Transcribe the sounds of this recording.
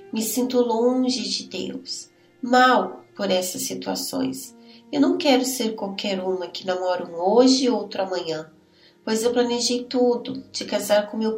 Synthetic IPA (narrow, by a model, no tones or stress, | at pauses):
mɪsĩnt̪ʊlõʒɪd͡ʒɪd̪ḛws | mawpoɾɛsɐsːit̪ua̰sõ̰j̃s | ewnɐ̃w̃kɛɾʊseɾkwawkʰɛɾũmɐkɪnamɔɾũoʒɪowt̪ɾʊamɐ̃ɲɐ̃ | pojzewplɐneʒejt̪ud̪ʊd͡ʒɪkazaɾkõmew